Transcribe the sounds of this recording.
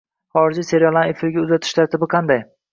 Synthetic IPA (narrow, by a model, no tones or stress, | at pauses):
χɒɾɪd͡ʒise̞ɾalˠanefɪɾɡʲaʊzat̪ʰɪ̥ʃt̪ʰaɾt̪ɪbɪqʰɑnd̪aj